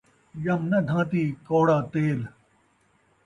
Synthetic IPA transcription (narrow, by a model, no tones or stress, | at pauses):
jɐmnɐd̪ʱãːt̪iːkoːɽaːt̪eːl